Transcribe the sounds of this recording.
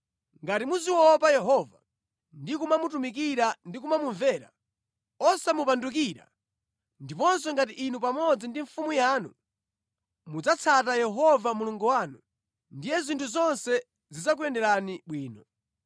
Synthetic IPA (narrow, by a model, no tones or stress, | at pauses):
ŋɡatimuziwɔpajɛɦɔva | ndikumamutumik̬iɾandik̬umamuɱvɛɾa̰ | ɔsamupanduk̬iɾa̰ | ndipɔns̬ɔŋɡatiʔinup̬amɔd͡zindiɱfumujaːnṵ | mud͡zat͡sʰatajɛɦɔvamuluŋɡuwaːnu | ndijɛzintʰuzɔnsɛ | zizak̬uɛndɛɾaniɓwiːnɔ